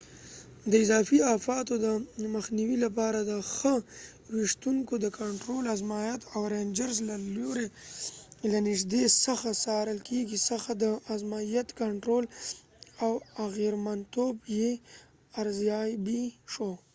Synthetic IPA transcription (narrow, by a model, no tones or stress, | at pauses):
d̪əɪzɑfiafɑt̪od̪əməxniwilap̬ɑɾad̪əxə | wɪʂt̪uŋkod̪əkaɳʈɾolazmajat̪awɾend͡ʒaɾzlaloɾe | lanɪʃd̪esəxasɑɾəlkʰeɡisəxad̪əazmajat̪kaɳʈɾol | awaɣeɾmant̪obje | aɾzjɑjbiʃo